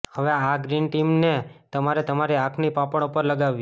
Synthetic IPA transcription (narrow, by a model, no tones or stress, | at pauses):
həʋeaɡɾinʈimnet̪əmaɾet̪əmaɾiakʰnipapəɳ̃upəɾləɡaʋːi